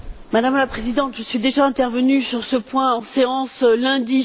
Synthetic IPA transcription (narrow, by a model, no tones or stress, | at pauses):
mad̪amlapχezid̪ɑ̃t̪ʒəsɥid̪eʒaɛ̃t̪ɛʁvənysyʁsəpwɛ̃ɑ̃seɑ̃slɛ̃d̪i